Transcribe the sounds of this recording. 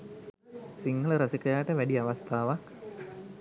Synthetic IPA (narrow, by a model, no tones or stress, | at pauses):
siŋɡɐləɾɐsikɐjaːʈəʋæɖiɐʋɐst̪ʰaːʋak